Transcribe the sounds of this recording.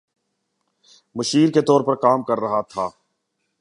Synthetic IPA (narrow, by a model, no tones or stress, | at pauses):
mʊʃiːɾket̪ɔːɾpɐɾkaːmkɐɾːɐɦat̪ʰaː